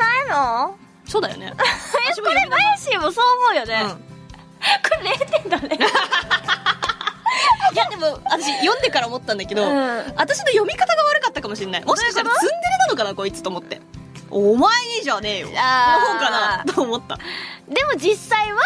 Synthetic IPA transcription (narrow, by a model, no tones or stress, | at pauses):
naino | so̞ːd̪ajo̰ne̞̰ioɾemajɯɕĩmosoːmo̞ɯjo̞ne̞ɯ̃ | koɾeɾeːt̪end̪ane | jad̪e̞moat̪aɕijõ̞nd̪e̞kaɾaomo̞t̪ːãnd̪ake̞d̪o̞ɯ̃at̪aɕino̞jo̞mʲikat̪aɡaβaɾɯ̟kat̪ːakamo̞ɕĩnːaḭmoɕikaat̪d̪zɨ̃nd̪eɾɯnano̞kanakoit͡sɨ̥t̪o̞ːmo̞t̪ːe̞̰ | omaeʑane̞ːjo̰aɡoɦõŋkanat̪oːmot̪ːa̰d̪e̞mo̞d͡ʑisːaiβa